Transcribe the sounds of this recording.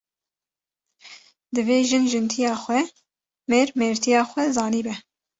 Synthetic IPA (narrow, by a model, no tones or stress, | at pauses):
d̪ɨveːʒɨnʒɨnt̪ʰijɑːxʷɛ | meːɾmeːɾt̪ʰijɑːxʷɛzɑːniːbɛ